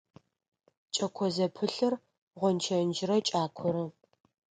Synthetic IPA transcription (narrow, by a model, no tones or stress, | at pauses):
t͡ʃʼɐkʷʰɔzɐpʰɨɬɨr | ʁʷɔnt͡ʃʰɐnd͡ʒɪɾɐt͡ʃʼaːkʷʰɔɾɨ